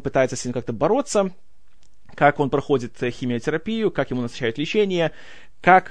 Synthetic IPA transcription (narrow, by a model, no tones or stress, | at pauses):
pɨt̪ajɪt̪səsʲnʲimkak̚t̪əbɐɾo̞t̪sːə | kako̞npɾɐxo̞dʲɪt̪xʲɪmʲɪətʲɪɾɐpʲijʊkakjɪmunəsaɕːæjʊt̪lʲɪt͡ɕenʲɪjə | kak